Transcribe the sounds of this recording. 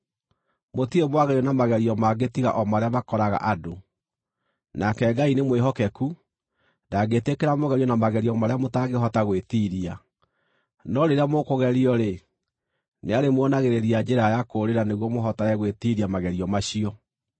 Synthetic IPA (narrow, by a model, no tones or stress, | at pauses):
motiemwaɣɛɾjɔnamaɣɛɾiɔmaɡetiɣa̰ʔɔmaɾeamakɔɾaɣa̰ʔado | nakɛɡainemweɦɔkɛku | ndaɡetekeɾamoɣɛɾiɔnamaɣɛɾiɔmaɾeamotaɡeɦɔtaɣwetiɾia | nɔɾeɾeamokoɣɛɾiɔɾe | neaɾemwɔnaɣeɾeɾiad͡ʒeɾajakoːɾeɾaneɣwɔmoɦɔtaɾɛɣwetiɾiamaɣɛɾiɔmaɕiɔ